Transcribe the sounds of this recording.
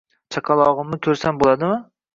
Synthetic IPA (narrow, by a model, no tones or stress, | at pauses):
t͡ʃʰakʰɑlˠɒʁɨmnɪkʲʰɵɾsanbolˠad̪ɪmɪ